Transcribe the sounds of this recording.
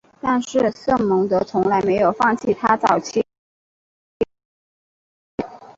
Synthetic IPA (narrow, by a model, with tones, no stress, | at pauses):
t̪a˥˧nʂɻ̩˥˧sɤ˥˩ŋmɤ˧˥ŋt̪ɤ˧˥t͡sʰʊ˧˥ŋla˧˥ɪme˧˥ɪjo˨˩ʊfɑ˥˧ŋt͡ɕʰi˥˩t̪ʰa˥t͡sɑ˨˩ʊt͡ɕʰi˥˩